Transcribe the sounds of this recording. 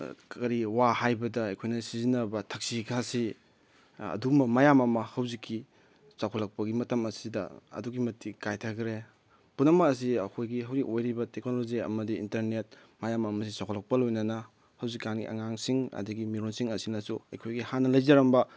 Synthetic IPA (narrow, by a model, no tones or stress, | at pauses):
kɐɾiwahajbɐdɐːjkʰojnɐsizinɐbɐtʰɐk̚sikʰasi | ɐ̰dumɐmɐjamɐmɐhɐwzikʰːi | sakʰolɐk̚pɐɡimɐtɐmɐsidɐ̰ɐ̰duɡimɐtʰːikajtʰɐkʰɾe | punɐmɐkɐs̬iɐkʰojɡiɦɐwzikojɾibɐteknoloziɐ̰mɐdiḭntɐɾnet̚mɐjamɐmɐs̬isakʰɔlɐk̚pɐlojnɐnɐ | hɐwzikːanɡiʔɐ̰ŋaŋsiŋɐ̰dɐɡimiɾonsiŋɐsinɐsuɐ̰jkʰojɡihanɐlɐjzɐɾɐmbɐ